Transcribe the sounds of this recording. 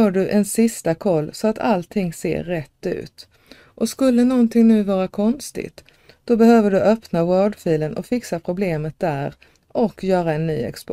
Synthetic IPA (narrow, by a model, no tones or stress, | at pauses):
œːɖɵʔɛnsɪst̪akʰɔlːsɔat̪ʰa̰lt̪ʰɪŋːsḛːɾːɛt̪ːʉ̟̰ːt̪ | ʔɔskɵlːənɔnt̪ʰɪŋnʉ̟ːvɑːɾakʰɔnst̪ɪ̰t̪ | d̪̥ɔbɛhøːvəɖɵʔœpnawœːɖfiːlənʔɔ̰fɪksapʰɾʊbleːmət̪̚d̪æːɾ | ʔɔkʰːjœːɾaɛnːy̰ːɛ̰ksp